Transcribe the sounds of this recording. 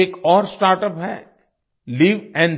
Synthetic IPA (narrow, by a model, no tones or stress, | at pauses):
eːkɔːɾsʈaːɾʈəpɦɛ̰ː | liːʋɛ̃ːɳ